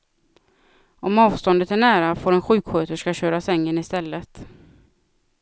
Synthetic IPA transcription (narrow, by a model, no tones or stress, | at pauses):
ɔmɑːvst̪ɔnd̪ət̪æɳæːɾafoːɾɛnɧʉ̟ːkɧøːt̪əʂkaɕøːɾasɛŋːənɪst̪ɛlːət̪